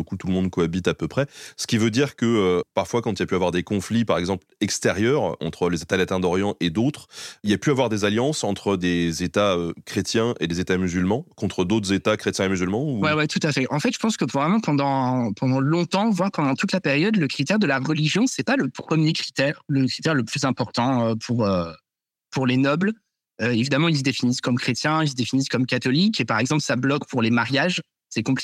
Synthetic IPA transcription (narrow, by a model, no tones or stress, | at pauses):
økut̪uləmɔ̃d̪koabit̪apøpχɛsə̥kʲivød̪iʁkəøpaʁfwakɑ̃t̪ilapyavwaʁd̪ekɔ̃flipaʁɛɡzɑ̃plɛkst̪ɛʁjœʁɑ̰̃t̪χəlezet̪alat̪ɛ̃d̪ɔʁjɑ̃ʔed̪ot̪χilapyavwaʁd̪ezaljɑ̃sɑ̃t̪χəd̪ezet̪aøkχet̪jɛ̃ʔelezet̪amyzylmɑ̃kɔ̃t̪χəd̪ot̪χəzet̪akχet̪jɛ̃emyzylmɑ̃uwɛwɛt̪ut̪afɛʔɑ̃fɛt̪ʒ̥ə̥pɑ̃skəpuvʁɛmɑ̃pɑ̃d̪ɑ̃pɑ̃d̪ɑ̃lɔ̃t̪ɑ̃vwaʁpɑ̃d̪ɑ̃t̪ut̪lapeʁjɔd̪ləkχit̪ɛʁd̪əlaʁəliʒjɔ̃sɛpaləpχəmjekχi̥t̪ɛʁləkχit̪ɛʁləplyzɛ̃pɔʁt̪ɑ̃øpʰuʁø | puʁlenɔbl | øevid̪amɑ̃ils̬d̪efiniskɔmkχet̪jɛ̃ils̬d̪efiniskɔmkat̪ɔlikepaʁɛɡzɑ̃plsablɔkpuʁlemaʁjaʒ | sɛkɔ̃pli